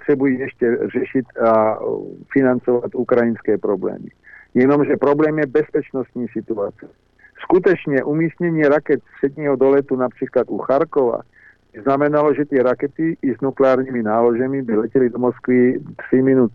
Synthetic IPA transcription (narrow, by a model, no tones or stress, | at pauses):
t̪rɛbujiɛʃcɛrɛʃit̪a | finant͡sɔʋat̪ukɾajinskɛːpɾɔblɛ̰ːmḭjɛnɔmʒɛpɾɔblɛːmjɛbɛspɛt͡ʃnɔst̪ɲiːsit̪uat͡siɛ | skut̪ɛt͡ʃɲɛʔumiːst̪ɲɛɲɪɛɾakɛt̪spr̥ɛd̪ɲiːɦɔd̪ɔlɛt̪unapr̝̥iːklad̪uxaɾkɔʋa̰ | bznamɛnalɔʒɛt̪ɪɛɾakɛt̪iːznuklɛaːɾɲiminaːlɔʒɛmibilɛcɛlid̪ɔmɔskʋit̪r̥iminut̪